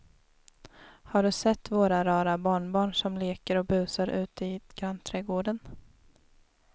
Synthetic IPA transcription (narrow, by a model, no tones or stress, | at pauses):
haɖɵsɛt̪ːvoːɾaɾɑːɾabɑːɳbɑːɳʂɔmleːkəɾɔbʉ̟ːsaɾʔʉ̟̰ːt̪əɪɡ̥ɾant̪ʰɾɛɡoːɖən